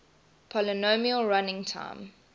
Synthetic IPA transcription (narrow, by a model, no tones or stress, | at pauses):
pʰɔlənomiəlɹanɪ̃ŋtʰã̰ɪ̃m